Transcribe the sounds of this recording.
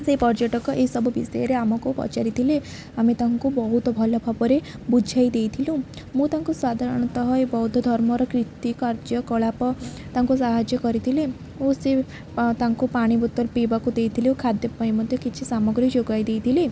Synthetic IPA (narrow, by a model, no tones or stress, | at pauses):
sepɔɾd͡ʒɔʈɔkɔʔeisɔbʱubisɔjeɾeamɔkupɔ̰t͡ʃaɾit̪ʰile | amet̪aŋkubɔɦut̪ɔbʱɔlɔpʰapɔɾebud͡ʒʱajd̪ejt̪ʰilũ | mũt̪aŋkusad̪ʱaɾɔɽ̃ɔt̪ɔɦɔebɔɦud̪ʱɔd̪ʱɔɾmɔɾɔkɾit̪ikaɾd͡ʒjɔkɔɭapɔ | t̪aŋkusaɦad͡ʒjɔkɔɾit̪ʰile | ose | t̪aŋkupaɽ̃ibut̪ːɔɾpibakud̪ejt̪ʰilewkʰad̪jɔpajmɔd̪ʱjɔkit͡ʃʰisamɔɡɾid͡ʒoɡajd̪ejt̪ʰile